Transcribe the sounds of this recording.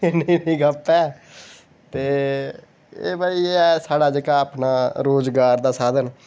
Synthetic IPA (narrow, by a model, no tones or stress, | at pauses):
nĩːnĩːɡapɛː | t̪eː | ḛːbaːiɛːsaːɽaːd͡ʒəkaːapnaːɾoːzɡaːɾd̪aːsaːd̪ən